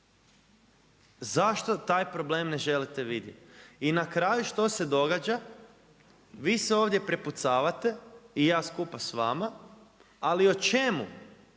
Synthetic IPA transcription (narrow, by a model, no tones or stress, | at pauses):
zaʃt̪o̞t̪aːjpɾo̞ble̞ːmne̞ʒe̞lit̪eʋid̪jḛt̪inakɾajuʃt̪o̞se̞d̪o̞ɡad͡ʒa | ʋiːseo̞ːʋd̪je̞pɾeput̪saːʋat̪e̞ijaːskupasʋama | aliot͡ʃe̞mu